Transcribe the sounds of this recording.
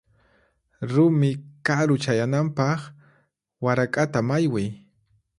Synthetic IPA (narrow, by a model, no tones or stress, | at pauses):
ɾʊmɪkaɾʊt͡ʃajanampɑχ | waɾakʼat̪amajwɪj